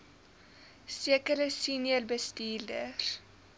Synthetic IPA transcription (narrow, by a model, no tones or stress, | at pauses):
siəkəɾəsiːnərbəstiːldər